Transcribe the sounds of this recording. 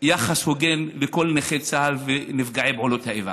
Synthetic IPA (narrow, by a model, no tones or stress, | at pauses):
jaχashoɡe̞nleko̞lneχet͡saalvenifɡaʕebʕolo̞t̪haeva̰